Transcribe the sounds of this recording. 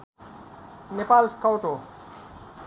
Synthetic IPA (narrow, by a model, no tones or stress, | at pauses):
nepaːlskawʈo